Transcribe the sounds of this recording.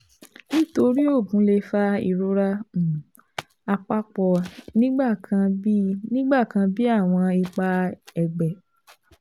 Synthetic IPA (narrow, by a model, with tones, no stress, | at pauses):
nĩ˦to˧ɾi˦o˦˨ɡũ˨˦le˧fa˦ḭ˨ɾo˦ɾa˦˨ | a˧k͡pa˦k͡pɔ˧nĩ˦ɡ͡ba˦˨kã˧˦nĩ˦ɡ͡ba˦˨kã˧bi˦a˦˨w̃ɔ̃˧i˧k͡pa˧ɛ˧ɡ͡bɛ˨